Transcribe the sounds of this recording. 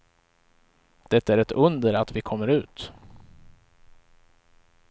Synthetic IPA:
d̪̥ɛt̪ːæɾɛt̪ɵnd̪əɾat̪vɪkʰɔmːəɾʉ̟ːt̪

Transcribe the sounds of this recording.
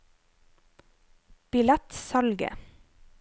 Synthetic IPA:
b̥ɪlæt̪sɑlɡə̰

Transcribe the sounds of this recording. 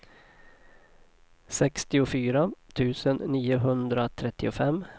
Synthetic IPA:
sɛkst̪ɪʊfyːɾat̪ʰʉ̟ːsənːiːʊɦɵnd̪ɾat̪ʰɾɛt̪ːɪʊfɛmː

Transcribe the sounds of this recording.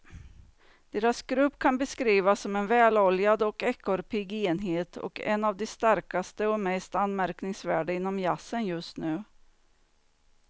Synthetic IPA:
d̪̥eːɾasɡ̥ɾɵpːkʰanbɛskɾiːvasːɔmɛnvɛːlɔljad̪ɔkɛkʰːɔɾpʰɪɡeːnɦeːt̪ʰɔ̰kɛ̰navd̪ɛst̪aɾkast̪əɔmɛst̪anːmæɾknɪŋsvæːɖɪnːɔmjasːənjɵst̪nʉ̟ː

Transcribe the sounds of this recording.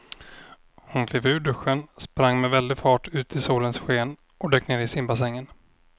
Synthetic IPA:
hʊnkʰleːvʉ̟ːɖɵɧːənspɾaŋːmɛvɛld̪ɪɡfɑːʈʉ̟ːt̪ʰɪsuːlənsɧeːn | ɔd̪ɛːkːneːɾɪsɪmbas̬ɛŋːən

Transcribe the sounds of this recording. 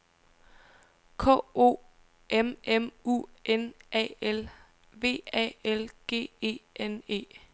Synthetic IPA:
kʰɔ̰ːo̝̰ː | ememṵʔenɛ̰el | ʋe̝̰ːɛ̰elɡ̥e̝̰ːe̝̰ːene̝̰ː

